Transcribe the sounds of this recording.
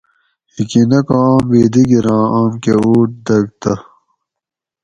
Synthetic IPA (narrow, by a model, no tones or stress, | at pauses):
hikinɐkaːmbeːd̪iɡiɾãːʔaːmkeuːʈ̚d̪ɐɡ̚t̪ɐ